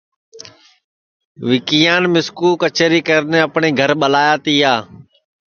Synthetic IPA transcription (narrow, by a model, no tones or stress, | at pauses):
ʋɪkijãːnmɪskuːkət͡ʃeɾiːkəɾnẽːəpɳeːɡʱəɾɓəlaːjaːt̪iːaː